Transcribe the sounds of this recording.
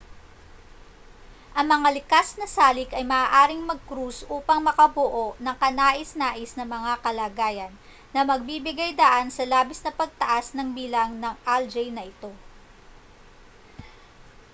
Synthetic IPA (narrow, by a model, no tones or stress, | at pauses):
ʔɐŋmɐŋalɪkasnɐsaːlɪkʔɐjmɐʔaːʔaːɾɪŋmɐɡ̚kɾusʔuːpɐŋmɐkɐbʊʔo̞ʔnɐŋkɐnaːʔɪsnaːʔɪsnɐmɐŋakɐlaːɡaːjɐnː | ɐmɐɡ̚bibɪɡajd̪ɐʔansɐlaːbɪsnɐpɐɡ̚t̪ɐʔasnɐŋbiːlɐŋnɐŋʔald͡ʒɛjnɐʔɪt̪o̞